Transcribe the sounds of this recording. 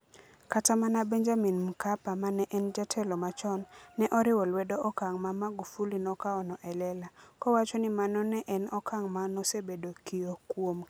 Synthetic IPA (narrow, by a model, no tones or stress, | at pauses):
katamanabɛɲd͡ʒaminm̩kapamanɛʔɛnd͡ʒatʰɛlɔmat͡ʃɔnːɛʔɔɾɪwolwɛdoʔɔkaŋmamaɡufulinɔkaɔnɔʔɛlɛlakɔwat͡ʃɔnɪmanɔnɛʔɛnɔkʰaŋmanɔsebedokiokwom